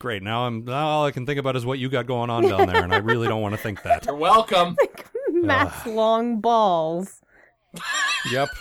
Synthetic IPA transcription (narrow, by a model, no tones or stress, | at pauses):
ɡ̥ɹeɪtⁿnaʊãɪ̃mnaʊɔlˠaɪkʰn̩θɪ̃ŋkɨəbaʊɾɨzwʌt͡ʃɨɡɑt̚ɡ̥oʊɪ̃ŋə̃ndãʊnðə̰˞ə̃naɪɹɪlˠidõʊ̃nʔwɑnɨθɪ̃ŋk̚ðæ̰t̚ə˞wɛlˠkə̃mɪkmæslɔ̃ŋbɔlˠz̥ | jɛp̚